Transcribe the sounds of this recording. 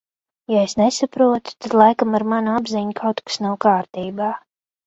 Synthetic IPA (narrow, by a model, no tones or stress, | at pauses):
jaesnesapɾuɔt̪u̥t̪ad̪lˠajkamaɾmanabziɲkʰawt̪kḁsnawkaːɾt̪iːbaː